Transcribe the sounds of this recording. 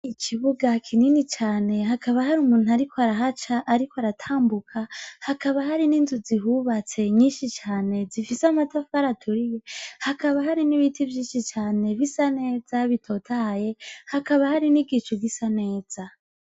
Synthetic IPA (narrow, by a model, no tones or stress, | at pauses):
ikʰiβuɡakʰininit͡ʃaːne̞ɦakaβahaɾumuːn̥uaɾikʰoaɾaɦat͡ʃaʔːɾikoaɾatʰaːmbukʰahakaβahaɾininzuziɦuβat͡se̞ɲiːnʃit͡ʃaːne̞zifisamatafaɾatʰuɾije̞hakaβahaɾiniβitʰivjiːnʃit͡ʃaːne̞βisane̞ːzaβitʰo̞tʰaje̞hakaβahaɾiniɡit͡ʃuɡisane̞ːz̥a